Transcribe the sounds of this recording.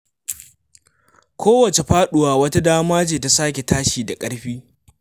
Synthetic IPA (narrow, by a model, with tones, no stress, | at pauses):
kʷʰoː˦wɐ˨t͡ʃe˨ɸaː˦ɗʊ˨waː˨wɐ˦ta˦daː˦maː˦d͡ʒeː˨ta˨saː˦kʲe˨taː˦ʃiː˨da˨kʼɐ˦ɽɸiː˦